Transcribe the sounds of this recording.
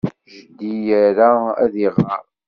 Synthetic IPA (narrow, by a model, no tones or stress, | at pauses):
ʒəd̪ijæɾaæ̰ðiʁa